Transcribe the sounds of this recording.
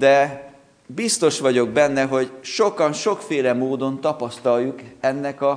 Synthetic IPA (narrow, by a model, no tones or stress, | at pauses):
d̪ɛ | bist̪o̞ʃʋɒɟo̞ɡ̚bɛnːɛɦo̞ɟʃo̞kɒnʃo̞kfeːlɛmoːd̪o̞nt̪ɒpɒst̪ɒlːukɛnːɛkɒ